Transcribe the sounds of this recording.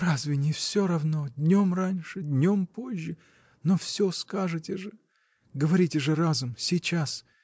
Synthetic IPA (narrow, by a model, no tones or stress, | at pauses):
razvʲɪnʲɪfsʲo̞ɾɐvno̞d̪ʲnʲo̞mranʲʂɨd̪ʲnʲo̞mpo̞ʑʲːɪ | nofsʲoskaʐɨtʲɪʐɨ | ɡəvɐɾʲitʲɪʐɨɾazʊmsʲɪt͡ɕas